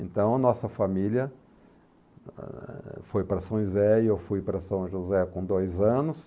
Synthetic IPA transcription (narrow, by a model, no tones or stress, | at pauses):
ẽnt̪ɐ̃w̃ɐnɔsɐfamiljɐ | fojpɾɐsɐ̃w̃uzɛɪewfujpɾɐsɐ̃w̃ʒuzɛkõd̪ojzɐ̃nʊs